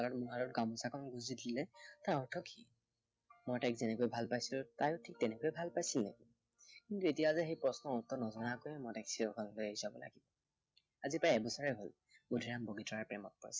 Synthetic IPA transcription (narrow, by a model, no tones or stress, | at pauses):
alɔtmuɦaɹɔt̚ɡamɔsakɔnɡuzidilɛtaɹɔtʰɔkʰi | mɔjtajkzɛnɛkojbʱalpajsilʊtajʊtʰik̚tɛnɛkojbʱalpajsilnḛki | kintuet̬ijazɛxejpɹɔsnɔɔtːɔnɔzɔnakojɛmɔjtaksiɹɔkʰɔnlojeizabɔ̰la̰ɡibɔ | azipaaɛbɔsɔɹɛɦol | budʱiɹamboɡitɔaɹpɹɛmɔt̚pɔɹisɛ